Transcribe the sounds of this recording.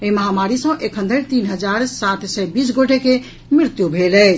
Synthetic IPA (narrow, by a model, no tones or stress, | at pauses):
eiməɦamaɾisə̃ʔekʰə̃nd̪əɾt̪inɦəd͡ʒaɾsat̪ʰsɛbisɡoʈeke | mɾiɾt̪jubʱelɛt͡ʃʰ